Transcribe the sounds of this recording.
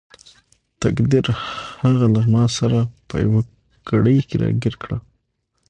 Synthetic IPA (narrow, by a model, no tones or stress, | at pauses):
t̪akd̪iɾhaɣalamɑsaɾapə̰ja̰wa | ɡ̥aɽəjkeɾɑ̰ɡiɾkɽa̰